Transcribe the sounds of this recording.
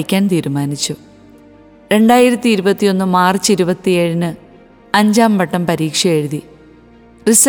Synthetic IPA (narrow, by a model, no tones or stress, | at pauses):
kʲːaːnt̪iːɾumaːnit͡ɕːu | ɾe̞ɳɖaːjiɾɐt̪ːiːɾubɐt̪ːijo̞nːumaːrt͡ɕːiɾubɐt̪ːieːɻinɨ | ɐɲd͡ʑaːmpɐʈːɐmpɐɾiːkʂɐe̞ɻuði | ris